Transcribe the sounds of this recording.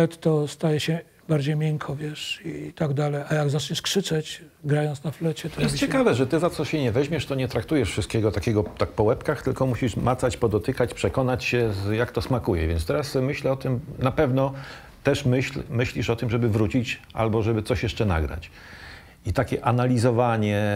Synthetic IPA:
ɛt̪ːɔst̪ajɛɕɛ | baɾd͡ʑejmʲjɛŋkʰɔvʲjɛʂit̪aɡd̪alɛjajaɡzat͡ʂɲɛʂkʂɘt͡ʂɛt͡ɕ | ɡɾajɔ̃nt̪snaflɛt͡ɕɛt̪ɔjɛst͡ɕɛkavɛʐɛt̪ɘzat̪sɔɕɛɲɛvɛʑmʲɛʂt̪ɔɲɛt̪ɾak̚t̪ujɛʂfʂɨst̪̚kʲɛɡɔt̪akʲɛɡɔt̪ak̚pɔwɛpkaxt̪ɘlkɔmuɕiʂmat̪sat͡ɕpɔd̪ɔt̪ɘkat͡ɕpʂɛkɔnat͡ɕɕɛjakt̪ɔsmakujɛvʲjɛntst̪ɛɾasmɘɕlɛɔt̪ɘmnapɛvnɔ | t̪ɛʂmɘɕlmɘɕlʲiʂɔt̪ɘmʐɛbɘvɾut͡ɕit͡ɕʔa̰lbɔʐɛbɘt̪sɔɕjɛʂt͡ʂɛna̰ɡɾa̰t͡ɕ | it̪akʲɛʔanalʲizɔvaɲɛ

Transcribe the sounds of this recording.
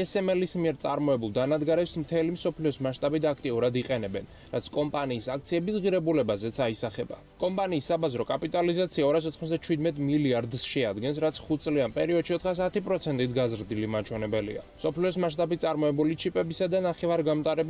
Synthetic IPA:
ɛsɛmɛlismiɛɾt̪sʼa̰ɾmɔɛbulˠd̪anad̪ɡaɾɛpsmt̪ʰɛlimsɔpʰliɔsmaʃt̪ʼabit̪ʰakʰt̪ʼiuɾad̪iqʼɛnɛbɛn | ɾat̪sʰkʼɔmpʼaniːsak̚t̪sʰiɛbisʁiɾɛbulɛbazɛt̪sʰaisaχɛba̰ | kʼɔmpʼaniːsːabazɾɔkʼapʼit̪ʼalizat̪sʰiaɔɾas̬ɔt̪ʰχmɔzd̪at͡ʃʰwid̪mɛt̪ʼmiliaɾd̪sʃɛad̪ɡɛnsɾat̪sʰχut̪̚ʰtsʼlianpʼɛɾiɔd̪ʃiɔt̪ʰχas̬at̪ʰipʼɾɔt̪sʰɛnt̪ʼit̪ʰɡazɾd̪ilimat͡ʃʰwɛnɛbɛlḭa̰msɔpʰliɔsmaʃt̪ʼabit̪̚ʰʼaɾmɔɛbulit͡ʃʰipʼɛbisad̪anaχɛvaɾɡamt̪ʼaɾɛb

